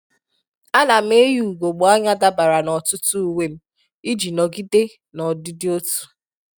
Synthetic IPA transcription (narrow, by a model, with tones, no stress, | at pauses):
a˦la˨m̩˦e˦ju˦˨ɡo˨ɡ͡bo˨a˦ɲa˦da˦ba˨ɾa˨nɔ˨tʊ˦tu˦u˨we˦m̩˦ | i˦d͡ʒi˨nɔ˨ɡi˦de˦ | nɔ˨dɪ˦dɪ˦o˦tu̥˨